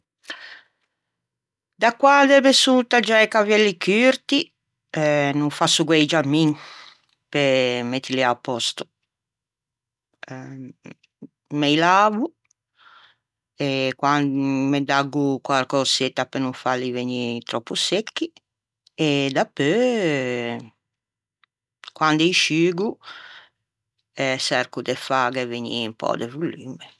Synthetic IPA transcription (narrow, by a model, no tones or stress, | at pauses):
d̪akwad̪ɛmesut̪ad͡ʒajkavɛlːikyɾt̪i | nuɱfasuɡwɛjd͡ʒamːiŋ | pemɛt̪ːiliapːɔst̪o̥ | mɛjlaːvu | ekwanmed̪aɡːukwaɾkɔset̪ːapenuɱfalːiveɲit̪ɾɔpːusekːi | ed̪apːø | kwand̪ɛiʃyːɡu | ɛsɛrkud̪efaɡɛveɲḭmpɔ̰d̪evulːiːmɛ